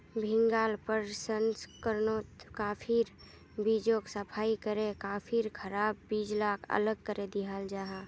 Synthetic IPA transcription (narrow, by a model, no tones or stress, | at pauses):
bʱɪ̃ŋɡaːlpəɾsənskəɾnot̪kaːpʰiɾ | bid͡ʒoksəpʰaːikəɾekaːpʰiɾkʰəɾaːbːiːd͡ʒlaːkʰə̰ləɡ̚kəɾed̪iɦaːld͡ʒaːɦa